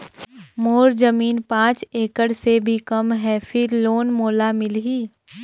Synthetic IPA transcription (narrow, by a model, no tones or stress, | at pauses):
moːɾzɐmiːnpãːt͡ʃeːkəɽsebʱikɐmɦɛːfʰɪɾloːnmoːlamɪlɦiː